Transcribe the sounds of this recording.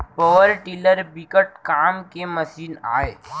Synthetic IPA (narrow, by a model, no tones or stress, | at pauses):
poʋəɾʈiːləɾbikəʈ̚kaːmkemɐsiːna̰ːeː